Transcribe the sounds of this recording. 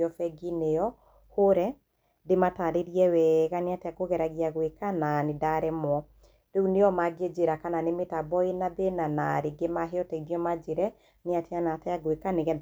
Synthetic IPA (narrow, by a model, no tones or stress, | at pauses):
ɔfɛɡineɔ | hoɾɛ | demataɾeɾiɛwɛɣaneatɛakoɣɛɾaɣiaɣwekananedaɾɛmwɔ | deuneɔmaɡed͡ʒeɾakananemetabɔenabenanaɾeɡemaɦeɔtɛiɣjɔmad͡ʒeɾɛ | neateanatɛaɣwekaneɣɛd